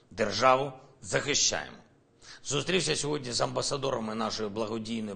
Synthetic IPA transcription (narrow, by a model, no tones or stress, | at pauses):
d̪erʒɑʋʊzɐxɪʃʲt͡ʃːa̰jḛmɔ | zust̪ɾʲiwsʲɐsʲɔɦɔdʲnʲizɐmbɐsɐd̪ɔɾɐmɪnɑʃɔjʊblˠɐɦɔdʲijnɔj